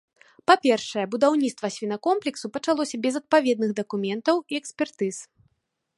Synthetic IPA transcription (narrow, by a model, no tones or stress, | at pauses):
papʲɛrʂɐjɛbud̪awnʲit̪t̪vɐsʲvʲinɐkɔmplʲɛksupɐt͡ʂalˠɔsʲɐbʲɛzɐt̪̚pavʲɛd̪̚nɨɣd̪ɐkumʲɛnt̪ɐwiɛksʲpʲɛrt̪ɨs